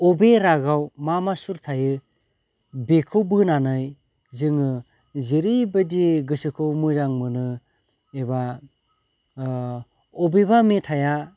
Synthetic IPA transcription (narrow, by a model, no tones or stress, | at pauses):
ɔbeɾaɡawmamasuɾtʰajɯ | bekʰɯwbɯnanɯj | zɯŋɯ | ziɾibɯdiɡɯsɯkʰɯwmɯzaŋmɯnɯ | eba | ɔbeβametʰaja